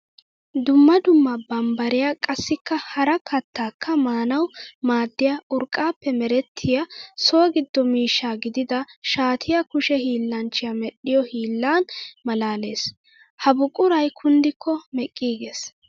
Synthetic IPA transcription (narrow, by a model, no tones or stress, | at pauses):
d̪ʊmːɐd̪ʊmːɐbɐmbɐɾɪjakʼɐsːɪkːɐhɐɾɐkʰɐt̪ːaːkʰːɐmaːnɐwmaːd̪ːɪjaʔʊɾkʼːaːpːɛmɛɾɛt̪ʰːɪjɐsoːɡɪd̪ːɔmiːʃːaːɡɪd̪ɪd̪ɐʃaːt̪ʰɪjɐkʊʃɛhiːlːɐnt͡ʃːɪjɐmɛɗːɪjɔhiːlːaːnmɐlaːle̞ːs | hɐbʊkʼʊɾɐjkʰʊnd̪ɪkʰːɔmɛkʼːiːɡe̞ːs